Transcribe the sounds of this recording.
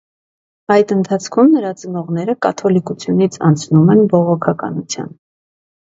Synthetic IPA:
ɑjd̪ənt̪ʰɑt͡sʰkʰumnəɾɑt͡sənɔʁnɛɾəkɑt̪ʰɔlikut͡sʰjunit͡sʰɑ̰nt͡sʰnumɛnbɔʁɔkʰɑkɑ̰nut͡sʰjɑ̰n

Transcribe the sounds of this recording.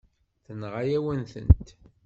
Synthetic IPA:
θənʁajæwənθə̰nt̪

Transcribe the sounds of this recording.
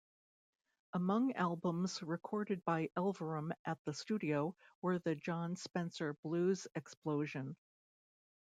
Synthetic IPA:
əmʌ̃ŋælˠbə̃mzɹɨkʰɔɹɾɨd̚baɪʔɛlˠvə˞ə̃mʔɨt̪̚ðɨstʉɾioʊwə˞ðɨd͡ʒɑ̃nspɛ̃nsə˞blʉzɨksploʊʒɨ̃n

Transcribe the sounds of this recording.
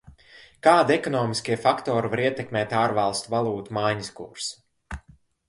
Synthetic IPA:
kaːd̪iɛkɔnɔːmiskʲiɛfakt̪ɔːɾivaɾiɛt̪ɛkmeːt̪aːɾvalˠst̪uvalˠuːt̪umajɲiskṵɾsu̥

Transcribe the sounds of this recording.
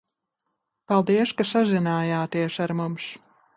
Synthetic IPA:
palˠd̪iɛskasazinaːjaːt̪iɛsaɾmums

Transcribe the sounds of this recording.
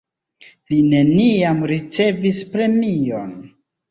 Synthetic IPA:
line̞niamɾit͡se̞vispɾe̞mio̞̰n

